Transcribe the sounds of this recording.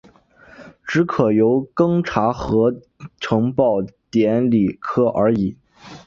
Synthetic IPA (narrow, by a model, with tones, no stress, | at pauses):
ʈ͡ʂɻ̩˧˥kʰɤ˨˩jo˧˥ʊkɤ˥ŋʈ͡ʂʰa˧˥xɤ˧˥ | ʈ͡ʂʰɤ˧˥ŋpɑ˥˩ʊt̪jɛ˧˥nli˨˩kʰɤ˥ʔə˞˧˥i˨˩˦